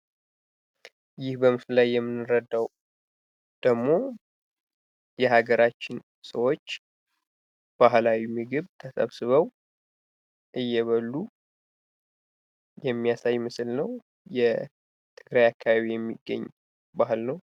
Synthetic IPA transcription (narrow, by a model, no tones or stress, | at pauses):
jɪhbəmɨslajːɛmːɨnːɨɾəd̪ːaw | d̪̥əɡmo̞ | jɛhaɡəɾat͡ʃːɪn | səwo̞t͡ʃː | b̥aɦlawimɨɡɨβt̪ʰəsə̰βsɨβəw | ʔɨjːɛβəlːu | jɛmːijasajmɨsɨlnəw | jɛ | t̪ʰɨɡɾajakʰːaβaβijɛmːḭɡːə̰ɲː | bahɨlnəw